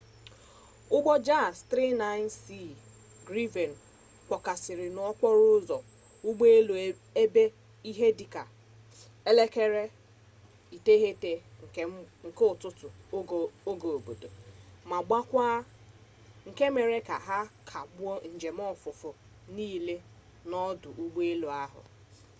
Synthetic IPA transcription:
ʊ˦ɡ͡bɔ˦d͡ʒa˦˨stɾe˦na˦ɪ˦n˦si˦˨ | ɡɾi˦ve˨n̩˨ | kʷɔ˨ka˨sɪ˨ɾɪ˨n˨˦ɔ˦k͡pɔ˦ɾʊ˦zɔ˨ | ʊ˦ɡ͡be˦lo˨ | e˦be˦ | i˦ɦe˦di˨ka˨ | e˦le˦ke˦ɾe˦ | i˨te˦ɦe˦te˨ | ŋ̩˨kʊ˨tʊ˦tʊ˨˦ | o˦ɡo˨o˨bo˨do˨ma˨ɡ͡ba˦kʷaː˦ | ŋ̩˨ke˦me˨ɾe˦ka̰˨ɦa˦kʰa˨ɡ͡bn̩˨d͡ʒe˨m̩˦ɔ˦fʊ˨fʊ˨ | niː˦le˦ | nɔ˦dʊ˨ʔu˦ɡ͡be˦lo˨a˦ɦʊ̰˨

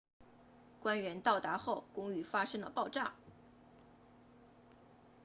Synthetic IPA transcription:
kwa˥nɥɛ˧˥nt̪ɑ˥˩ʊt̪a˧˥xo˥˩ʊkʊ˥ŋy˧˥fa˥ʂɤ˥ŋlə̰˨pɑ˥˧ʊʈ͡ʂa˥˩ŋ

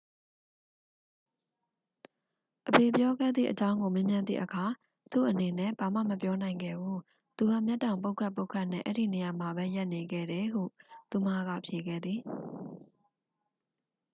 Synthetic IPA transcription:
ʔəbe˨pjɔ˦ɡɛ̰˦˨d̪ðḭ˦˨ʔət͡ɕã˦ʊ̃ŋɡo˨mẽ˦mjã˦nd̪ðḭ˦˨ʔəkʰa˨ | t̪ṵ˦˨ʔəne˨nɛ̰˦˨b̥a˨mä̰˦˨məpjɔ˦nã˨ɪ̃ŋɡɛ̰˦˨bu˦ | t̪u˨ɡa̰˦˨mja˦tːã˨ʊmp̬o˦ʊkʰa˦˨po˦ʊkʰa˦ʔnɛ̰̃˦˨ʔɛ̰˦ɾḭ˦˨ne˨ja˨ma˨bɛ˦ja˦ʔne˨ɡɛ̰˦˨ɾɛ˨ɦṵ˦˨t̪u˨ma˦˨ɡä̰˦˨pʰje˨ɡɛ̰˦˨d̪ði˨

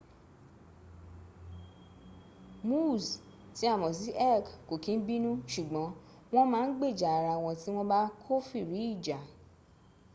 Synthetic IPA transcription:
mu˦˨s | ti˨˦a˦˨mɔ̃˨s̬i˨˦ʔɛ˦˨kko˨kĩ˧n̩˦bi˦nũ˦ʃu˨ɡ͡bɔ̃˨˦ | w̃ɔ̃˦mãː˦˧n̩˦ɡ͡be˦˨d͡ʒa˨a˨ɾa˧w̃ɔ̃˧ti˦w̃ɔ̃˦ba˦kʰo˦fi˦˨ɾi˨˦i˦˨d͡ʒa˨

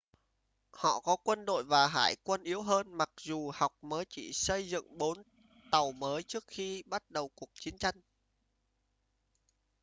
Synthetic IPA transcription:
hɔ̰˧˨kɔ˨˦kwə˧nɗo̰˧˨jvaː˨˩ɦa̰ː˧˩jkwə˧nʔi˨˦əwɦəː˧nma˨˩k̚zu˨˩ha˨˩wk͡p̚məː˨˦jt͡ɕḭ˧˨sə˧jzɨ̰˧˨ŋɓo˨˦n | t̪ə˨˩wməː˨˦jt͡ɕɨ˦˥ək̚xi˧ɓa˦˥t̚ɗə˨˩wku˨˩ək̚t͡ɕi˨˦ənt͡ɕa˧jŋ̟

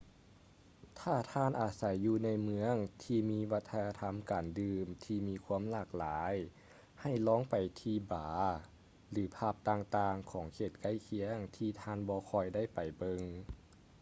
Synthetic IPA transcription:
t̪ʰaː˧˩t̪ʰaː˧˥˨nʔaː˨˩sa˨˦jːuː˧na˧jmɯ˧˥əŋt̪ʰiː˧miː˧˥wa˧˥t̪ʰːa˧naː˧t̪ʰa˧˥mkaː˨˩ndɯː˧mt̪ʰiː˧miː˧kʰu˧˥əmlaː˧˩k̚laː˩˦j | ha˧˩jlɔː˧˥˨ŋpa˨˩jt̪ʰiː˧baː˩˦ | lɯː˩˦pʰaː˧˩p̚t̪aː˧ŋt̪aː˧ŋkʰɔː˩˦ŋkʰeː˧˩t̪̚ka˧˥˩jkʰi˧˥əŋt̪ʰiː˧˩t̪ʰaː˧˥˨nbɔː˧˦kʰɔː˧˩jda˥˩˨jpa˨˩jbɤ˧ŋ

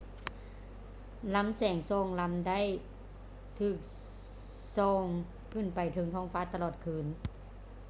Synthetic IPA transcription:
la˧˦˥msɛː˨˩˦ŋsɔː˧˩ŋla˧˥mda˥˨j | t̪ʰɯː˧˩k̚ | sɔː˧˩ŋ | kʰɯ˧˩˨npa˨˩jt̪ʰɤ˧˦ŋt̪ʰɔː˧˥˩ŋfaː˧˥˩t̪a˧lɔː˧˩t̪̚kʰɯː˧˩n

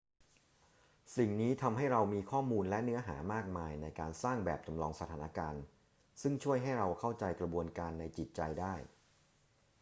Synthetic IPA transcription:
si˨˩ŋniː˦˥t̪ʰa˧mɦa˥˩jɾa˧wmiː˧kʰɔː˥˩muː˧nlɛ˦˥nɯ˦˥ɐɦa̰ː˩˦maː˥˩k̚maː˧jna˧jkaː˧nsaː˥˩ŋbɛ̰ː˨˩p̚t͡ɕa˧mlɔː˧ŋsa˧t̪ʰaː˩˦na˧kaː˧n | sɯ˥˩ŋt͡ɕʰu˥˩əjɦa˥˩jɾa˧wkʰa˥˩wt͡ɕa˧jkɾa˧bu˧ənkaː˧nːa˧jt͡ɕi˨˩t̪̚t͡ɕa˧jdaː˥˩j

